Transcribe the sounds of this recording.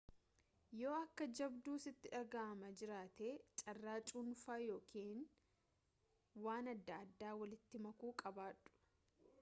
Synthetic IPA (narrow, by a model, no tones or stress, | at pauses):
jo̞ːɐkːɐd͡ʒɐbd̪uːsɪt̪ːɪᶑɐɡaʔɐmɐd͡ʒɪɾaːt̪eːt͡ʃʼɐrːaːt͡ʃʼunfaːjo̞ːkʰiːn | waːnɐd̪ːɐːd̪ːaːwɐlɪt̪ːɪmɐkuːkʼɐbaːᶑʊ̥